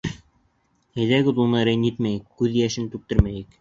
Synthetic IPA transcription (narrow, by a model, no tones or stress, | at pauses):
hæ̆jðæɡɘd̪unɤɾænit̪mæjɘkːʉðjæʃɘnt̪ʉk̚t̪ɘ̆ɾmæjɘk